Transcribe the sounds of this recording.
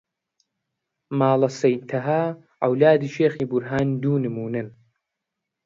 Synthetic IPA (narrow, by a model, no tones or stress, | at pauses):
maːlɐsɐjt̪ʰɐɦaː | ʕɐ̰wlaːd̪iːʃeːxiːbuɾɦaːnd̪uːnɨmuːnɐn